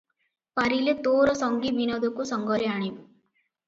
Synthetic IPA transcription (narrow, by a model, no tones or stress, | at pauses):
pɐɾilet̪oːɾɔsɔŋɡibinɐd̪ukusɐŋɡɔɾiaːɳiu